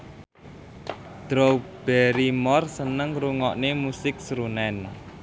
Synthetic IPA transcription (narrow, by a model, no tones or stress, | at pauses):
d̪̥ɾob̥ɛɾimɔrsənəŋɾuŋɔʔnemusɪk̚sɾunɛn